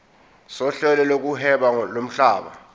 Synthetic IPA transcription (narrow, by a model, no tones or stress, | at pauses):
sɔɬɛlɛlok̬uɦɛɓalom̩ɬaːɓa̰